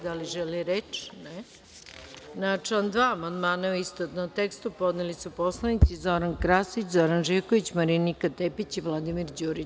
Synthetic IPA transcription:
d̪aliʒɛliɾet͡ʃne | nat͡ʃand̪ʋaːmand̪maːnauist̪ot̪not̪ekst̪upod̪nelisuposlˠanit̪sizoɾankɾaːsit͡ɕzoɾanʒekoʋit͡ɕmaɾinikat̪epit͡ɕiʋlˠad̪imiɾd͡ʑuːɾi

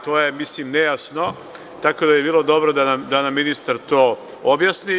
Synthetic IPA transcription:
t̪oːjemisliːmnejasno̞ | t̪ako̞d̪ajebiːlˠo̞d̪o̞bɾod̪anamd̪anamːinist̪aɾt̪oː | objasni

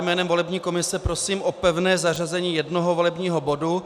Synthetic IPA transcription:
jmɛːnɛmvo̞lɛbɲiːko̞mɪsɛpɾosiːmʔopɛvnɛːzar̝azɛɲiːjɛdnoɦovolɛbɲiːɦobodu

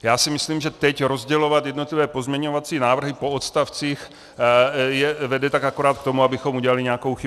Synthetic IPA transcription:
jaːsɪmɪsliːmʒɛt̪ɛcɾozɟɛlo̞vat̪jɛdnot̪livɛːpo̞zmɲɛɲovat͡siːnaːvr̩ɦɪpo̞ot̪st̪aft͡siːx | jɛvɛdɛt̪akakoɾaːt̪̚k̚t̪o̞muabɪxomuɟɛlaliɲɛako̞wxɪ

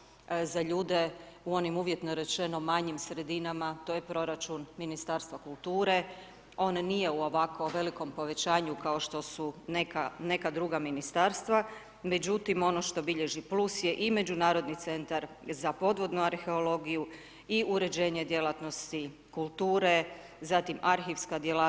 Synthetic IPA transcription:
zaʎuːd̪e̞uo̞nimuʋje̞t̪noɾe̞t͡ʃe̞no̞maɲimsɾe̞d̪inamat̪o̞je̞pɾo̞ɾat͡ʃunminist̪aːɾst̪ʋakulˠt̪uːɾe̞ | o̞ːnːije̞uo̞ʋako̞ʋe̞liko̞mpo̞ʋe̞t͡ɕaːɲukao̞ʃt̪o̞sunekane̞kad̪ɾuɡaminist̪aɾst̪ʋa | me̞d͡ʑut̪imo̞no̞ʃt̪o̞biʎe̞ʒiplusje̞ʔime̞d͡ʑunaːɾo̞d̪nit̪se̞nt̪aɾ | zapo̞d̪ʋo̞d̪nuaɾxe̞o̞lo̞ɡiju | iuɾe̞d͡ʑe̞ːɲe̞d̪je̞lˠat̪no̞st̪i | kulˠt̪uːɾe | zat̪imaɾxiʋskad̪jela

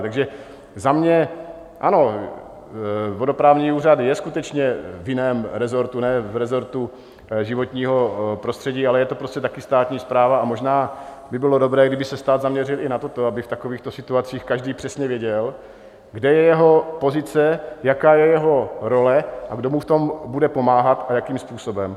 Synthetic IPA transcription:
t̪aɡʒɛ | zamɲɛ | ʔano̞ | vo̞do̞pɾaːvɲiːuːrad̪jɛskut̪ɛt͡ʃɲɛvjɪnɛːmɾɛzo̞ɾt̪unɛːvɾɛzo̞ɾt̪u | ʒɪvo̞t̪ɲiːɦo̞pɾo̞st̪r̥ɛɟiːalɛjɛt̪o̞pɾoscɛt̪akɪst̪aːt̪ɲiːspɾaːvaamo̞ʒnaː | bɪbɪlo̞do̞bɾɛːɡdɪbɪsɛst̪aːd̪zamɲɛrɪlʔɪnat̪o̞t̪oabɪft̪ako̞viːxt̪osɪt̪uat͡siːxkaʒdiːpr̝̥ɛsɲɛvjɛɟɛl | ɡdɛjɛjɛɦo̞po̞zɪt͡sɛjakaːjɛjɛɦo̞ɾo̞lɛʔaɡdo̞muft̪o̞mbudɛpo̞maːɦat̪ajakiːmspuːso̞bɛm

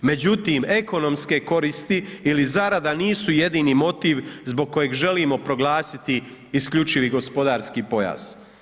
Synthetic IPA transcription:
me̞d͡ʑut̪iːme̞ko̞no̞mske̞ko̞ɾist̪iːlizaɾad̪aniːsuje̞d̪iːnimo̞t̪iːʋzbo̞ɡ̚kːo̞jeɡʒe̞liːmo̞pɾo̞ɡlˠaːsit̪i | iskʎut͡ʃiʋiɡo̞spo̞d̪aːɾskipo̞ja̰z̥

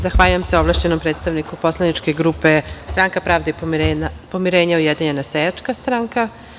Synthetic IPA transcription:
zaxʋaːʎujemseo̞ʋlˠaʃt͡ɕenompɾet̪st̪aʋnikupo̞slˠanit͡ʃkeɡɾupe̞st̪ɾaŋkapɾaːʋd̪eiɾenapo̞miɾeːɲaujed̪iɲenasejat͡ʃkast̪ɾaŋka

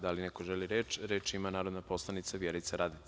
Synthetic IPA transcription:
d̪alinekoʒeliɾeːt͡ʃɾeːt͡ʃimanaːɾo̞d̪napo̞slˠanit̪saʋjeɾujt̪saɾad̪i

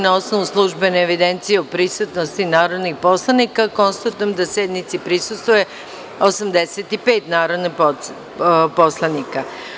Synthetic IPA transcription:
nao̞snoʋuslˠuʒbeneːʋid̪e̞nt̪sijeopɾisut̪nost̪inaːɾo̞d̪nixpo̞slˠanikako̞nst̪at̪ujemd̪asjed̪nit̪sipɾisust̪ʋoje | osamd̪eset̪ipe̞ːt̪naːɾod̪nip | po̞slˠanika

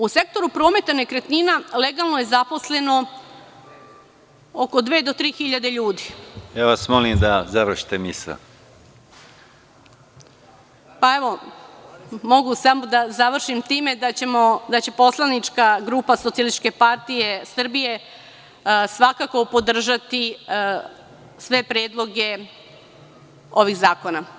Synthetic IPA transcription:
use̞k̚t̪o̞ɾupɾo̞ːme̞t̪anekɾet̪ninale̞ɡalˠnoje̞zapo̞sle̞no̞ | oko̞d̪ʋe̞ːd̪o̞t̪ɾiːxiʎad̪e̞ʎuːd̪ijaːʋasmolimd̪azaʋr̩ʃi̥t̪emisla̰ | paeʋo̞ | mo̞ɡusamo̞d̪azaʋr̩ʃimt̪iːme̞d̪at͡ɕemod̪at͡ɕe̞po̞slˠanit͡ʃkaɡɾupasosiali̥ke̞paɾt̪ije̞sr̩bije̞ | sʋakako̞po̞d̪r̩ʒat̪i | sʋe̞pɾeːd̪lˠo̞ɡe̞ | o̞ʋiɣzaːko̞na

